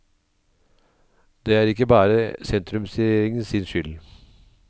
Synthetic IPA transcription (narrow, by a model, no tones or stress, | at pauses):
d̪eːæːɾɪkːəbɑːɾəsɛnt̪ɾʉmsɛeːɾɪŋənsɪnʃʏl